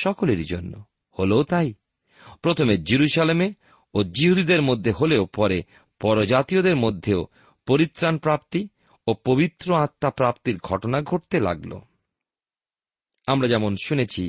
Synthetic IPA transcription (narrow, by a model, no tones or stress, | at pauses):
ʃɔkoleɾd͡ʑonːo̰ | holoot̪aj | pɾot̪ʰomed͡ʑiɾuʃaleme | od͡ʑiɦud̪id̪eɾmod̪ʱːeɦoleopɔɾe | pɔɾod͡ʑat̪iod̪eɾmod̪ʱːeo | poɾit̪ːɾanpɾapt̪i | opobit̪ːɾoat̪ːapɾapt̪iɾɡʱɔʈonaɡʱoʈt̪ela̰ɡlo̰ | amɾad͡ʑɛmonʃunet͡ɕʰi